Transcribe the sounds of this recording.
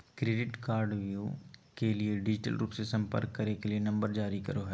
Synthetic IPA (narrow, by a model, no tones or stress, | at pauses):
kɾeːɖɪʈkaːɾɖʋjukelieɖɪd͡ʒɪʈə̰lɾuːpsesɐ̃mpə̰ɾkːɐɾekelienɐ̃mbəɾd͡ʒaːɾikɐɾoɦɛː